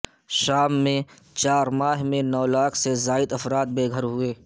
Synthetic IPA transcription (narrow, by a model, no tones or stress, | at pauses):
ʃaːmːẽ | t͡ʃaːɾmaːɦmẽnɔːlaːkʰsezaːɪd̪ɐfɾaːt̪̚beːɡʱəɾɦʊeː